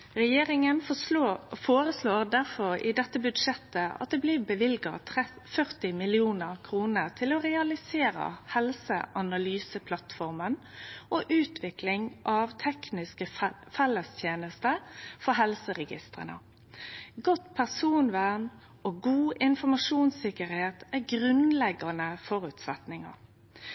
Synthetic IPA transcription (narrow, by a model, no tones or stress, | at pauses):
ʁɛjeːɾɪŋən | foːɾəsloːʁd̪æʁfɔɾɪ̰d̪ɛt̪ːəbʉd̪ʂɛt̪ːəɑ̰t̪̚d̪ɛːbliːbəʋɪlɡɑ̰t̪ʰɛ | fœɾt̪ɪmɪlɪuːnəʁkʰɾuːnəɾt̪ʰɪlɔɾɛɑlɪseːɾə̰hɛlsə̰ʔɑnɑlyːsəpʰlɑt̪fɔɾmən | ʔoːʔʉːt̪ʰʋɪklɪŋʔɑʋt̪ʰɛknɪskəfɛlːəst̪ʰjeːnəst̪əfɔɦɛlsəʁɛɡɪ̰st̪ʁə̰nə̰ | ɡɔt̪pʰæʁsuːnʋæn | ʔoɡuːʔɪnfɔɾmɑʂuːnsɪkəɾheːt̪æɡʁʉnlɛɡɑnəfɔʁʉːt̪sɛt̪nɪŋɑ̰ɾ